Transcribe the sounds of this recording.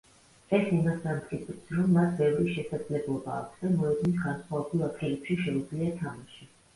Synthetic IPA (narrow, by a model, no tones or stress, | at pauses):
ɛsimasamt̪χʼip̪ʰitsɾɔmːasbɛvɾiʃɛsad̪z̥lɛblˠɔbaːkʷʰsd̪amɔɛd̪misɡansχwaɔbɾilˠat̪ɡilɛpʃiʃɛud̪zliat̪ʰamaʃi